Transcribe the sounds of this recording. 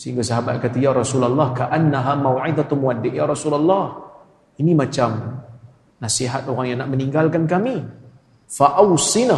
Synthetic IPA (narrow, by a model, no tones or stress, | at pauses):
səɦiŋɡasaɦabat̪̚kat̪ajaɾˤɑsulalˠˤːɑhkaʔanːaɦamawʕɪd̪at̪mwadːɪʔjaɾˤɑsulalˤːɑh | inimat͡ʃam | nasiɦat̪oɾaŋjaŋnaʔməniŋɡalkankami | faʔawsina